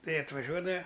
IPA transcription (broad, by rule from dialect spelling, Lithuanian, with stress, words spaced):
ˈtɐɪ ɐtʋɐˈʒʲuɔdɐʋɐ